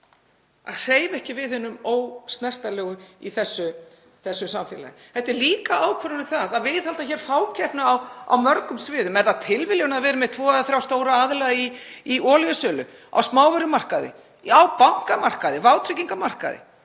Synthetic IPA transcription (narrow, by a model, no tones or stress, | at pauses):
a̰ðr̥eːjvɛhcɪvɪðhʏnːʏmoːwst̪nɛr̥t̪alɛːɣʏiθɛsːʏ | θɛsːʏsamfjɛ̰la̰jθɛht̪ɛɾliːkaʔaːwkʰvœɾʏnʏθaðaðvɪðhalt̪açɛɾ̥faːwcʰɛhpnaːwa̰wmœɾkʏmsvɪːðʏmɛɾðat̪ʰɪlvɪljɣʏnaðvɛːɾʏmɛðt̪ʰvɔːʏðaθɾjawst̪oːwɾaaðlaiiɔːljʏsœlʏ̰ | a̰wsmaːwvɛɾʏmar̥kaðɪ̰ | awpawŋ̥kamar̥kaðɪvaːwt̪ʰɾɪciŋkamar̥ka̰ðɪ̰